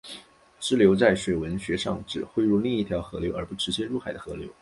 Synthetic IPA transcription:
ʈ͡ʂɻ̩˥ljo˧˥ʊt͡sa˥˩ɪʂwe˨˩ɪwə˧˥nɕɥɛ˧˥ʂɑ̰˥˧˩ŋʈ͡ʂɻ̩˨˩xwe˥˧ɪɻu˥˧li˥˧i˥˩t̪ʰjɑ˧˥ʊxɤ˧˥ljo˧˥ə˞˧˥pu˧˥˩ʈ͡ʂɻ̩˧˥t͡ɕjɛ˥ɻu˥˩xa˨˩ɪd̪ə˦xɤ˧˥ljo˧˥ʊ

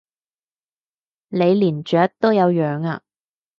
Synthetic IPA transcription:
le˨˧jliː˨˩nt͡ʃœː˨˥k̚t̪o˥wjɐ˨˧wjœː˨ŋa̰ː˧

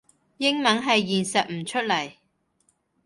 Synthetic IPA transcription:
jɪ˥ŋmɐ˨˥nɦɐ˨jːiː˨nsɐ˨t̚m̩˨˩t͡ʃʰɵ˥t̚lɐ˨˩j

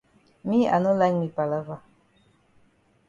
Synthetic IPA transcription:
mĩ˦a̰˨nũ˦lɛ˦ŋmĩ˨pa˨la˦va˦˨

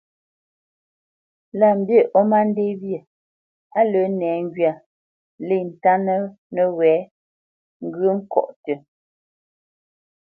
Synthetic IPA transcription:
la˨m̩˨bje˦˨ʔɔ˦ma˦n̩˦de˦βjə˨ | a˦lə˨˦nɛː˨˦ŋ˦ɡɥja˨ | le˦˨n̩˨ta˦nə˦ | nə˨wɛː˨˦ | ŋ̩˦ɡə˦ŋ̩˦kɔ̰˨ʔtə˨

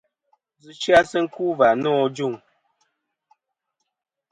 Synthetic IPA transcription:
d͡zɨ˨ʃa˦sə˦ŋ̩˦ku˦va˨nɔː˦˨d͡ʒu˦˨ŋ

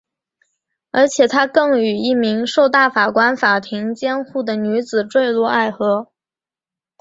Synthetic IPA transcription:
ə̰˞˧˥t͡ɕʰjɛ˨˩t̪ʰa˥kɤ˥˩ŋy˨˩i˥˩mi˧˥ŋʂo˥˧ʊt̪a˥˩fa˨˩kwa˥nfa˨˩t̪ʰi˧˥ŋt͡ɕjɛ˥nxu˥˩d̪ə˩ny˧˥t͡sɹ̩˨˩ʈ͡ʂwe˥˧ɪlwɔ˥˧a˥˩ɪxɤ˧˥

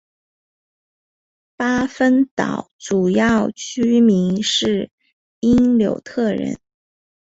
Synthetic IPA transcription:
pa˥fə˥nt̪ɑ̰˨˩ʊʈ͡ʂu˨˩jɑ˥˩ʊt͡ɕʰy˥mi˧˥ŋʂɻ̩˥˩ | i˥nljo̰˧˥ʊt̪ʰɤ˥˩ɻə̰˧˥n

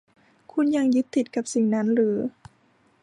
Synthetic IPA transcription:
kʰu˧˥˨nja˧˩ŋjɯ˦˥t̪ʰːi˨˩t̪̚ka˨˧˩p̚si˨˩ŋna˦˥nɾɯː˩˦

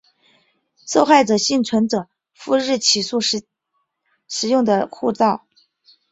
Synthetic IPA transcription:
ʂo˥˧ʊxa˥˩ɪʈ͡ʂɤ˨˩ɕi˥˩nt͡sʰwə˧˥nʈ͡ʂɤ˨˩ | fu˥˧ɻɻ̩˥˩t͡ɕʰi˨˩ʂu˥˩ | ʂɻ̩˨˩jʊ˥˩ŋd̪ə˩kʰu˥˧t͡sɑ˥˩ʊ

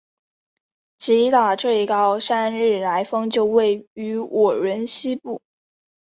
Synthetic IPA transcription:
t͡ɕi˧˥t̪a˨˩ʈ͡ʂe˥˩ɪi˧˩kɑ˥ʊʂa˥nɻɻ̩˥˩la˧˥ɪfɤ˥ŋt͡ɕjo˥˧ʊwe˥˩ɪy˧˥wʔɔ˨˩ɻə˧˥nɕi˥pu˥˩

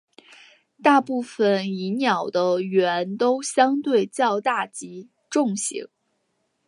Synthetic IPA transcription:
t̪a˥˧pu˥˩fə˨˩ni˧˥njɑ˨˩ʊd̪ə˦ɥɛ˧˥nt̪o˥ʊɕjɑ˥ŋt̪we˥˩ɪt͡ɕjɑ˥˧ʊt̪a˥˩t͡ɕi˧˥ | ʈ͡ʂʊ˥˩ŋɕḭ˧˥ŋ

